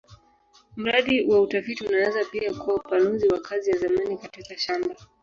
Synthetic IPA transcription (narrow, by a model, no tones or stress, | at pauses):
m̩ɾaɗiwʔautafitiunaanzapiakuwaupanuziwakazijazamanikatikaʃamba